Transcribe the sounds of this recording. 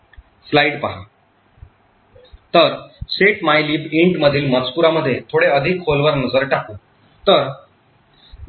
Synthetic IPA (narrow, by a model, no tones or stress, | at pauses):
slaiɽpəɦa̰ | t̪əɾseʈmajliːpiɳʈməd̪ʱiːlmət͡spuɾaməd̪ʱːjet̪ʰoɽeəd̪ʱikholʋəɾnəd͡zəɾʈakũː | t̪əɾ